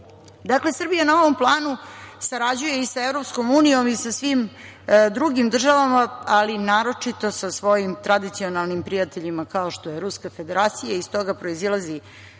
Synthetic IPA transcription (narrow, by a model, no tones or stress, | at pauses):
d̪akle̞sr̩bijanao̞ʋo̞mplˠaːnusaɾad͡ʑuje̞isaevɾo̞psko̞muːnijo̞misasʋim | d̪ɾuɡimd̪r̩ʒaʋamaalinaːɾo̞t͡ʂit̪o̞sasʋo̞jimt̪ɾad̪it̪sio̞nalnimpɾijat̪eʎimakao̞ʃt̪o̞je̞ɾuskafe̞d̪e̞ɾaːt̪sijaist̪o̞ɡapɾo̞izilˠazi